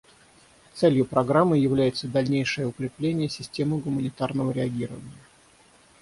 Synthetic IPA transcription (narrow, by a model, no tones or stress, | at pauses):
t̪sɛlʲjʊpɾɐɡɾamːɨjɪvlʲæjɪt̪səd̪ɐlʲnʲejʂəjəʊkɾʲɪplʲenʲɪjəsʲɪsʲtʲe̞mɨɡʊmənʲɪt̪arnəvəɾʲɪɐɡʲiɾəvənʲɪjə